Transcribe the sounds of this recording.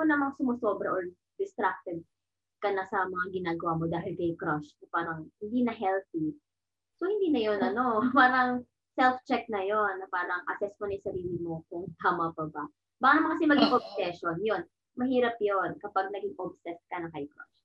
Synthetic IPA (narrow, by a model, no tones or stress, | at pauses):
onɐmaŋsʊmosobɾɐʔoɹ | d̪ɪst̪ɾak̚t̪ɛd̪̚ | kɐnɐsɐmɐŋaɡɪnaːɡɐwamod̪aːɦɪlkɐjkɾɐʃnɐpaːɾɐŋhɪnd̪iːnɐɦɛlθi | sohɪnd̪iːnɐjonɐno̞paːɾɐŋ | sɛlft͡ʃɛk̚nɐjonːɐpaːɾɐŋʔɐ̰sɛsmonɐjʊsɐɾiːlɪmokʊŋt̪aːmɐpɐba | baːɡanɐmaŋkɐsɪmɐɡɪŋʔob̚sɛʃonjon | mɐhiːɾɐpjonkɐpaɡ̚nɐɡɪŋʔob̚sɛst̪̚kɐnɐŋkɐjkɾɐ̰ʃ